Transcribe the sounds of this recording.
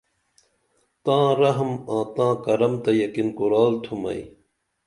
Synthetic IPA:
t̪ãːɾɐɦmãːt̪ãːkɐɾɐmt̪ɐjɐkinkuɾaːlt̪ʰumɐ̰ḭ

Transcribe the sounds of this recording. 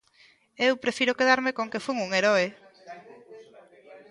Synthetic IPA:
ewpɾefiɾokeðaɾmekoŋkefuŋuŋeɾɔe

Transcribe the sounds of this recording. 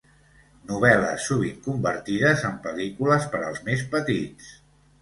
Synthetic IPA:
nuβ̞ɛlə̰sːuβ̞iŋkumbəɾt̪iðəzəmpəlikuləspəɾəlˠzmespət̪it͡s

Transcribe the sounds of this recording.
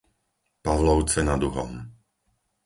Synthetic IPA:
paʋlɔʊt͡sɛnad̪uɦɔ̰m

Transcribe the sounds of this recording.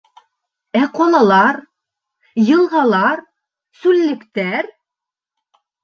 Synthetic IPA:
æqɒlˠɑlˠɑɾ | jɤ̆lˠʁɑlˠɑɾ | sʉlːɘ̆kt̪æɾ

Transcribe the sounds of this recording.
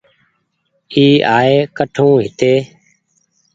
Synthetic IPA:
iːʔaːeːkəʈʰũːɦɪt̪eː

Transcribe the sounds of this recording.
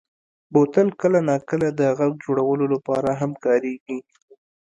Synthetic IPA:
bot̪ənkəlanɑkəlad̪əɣaɡ̚d͡ʒoɽawəlolapɑɾaɦamkɑɾeɡi

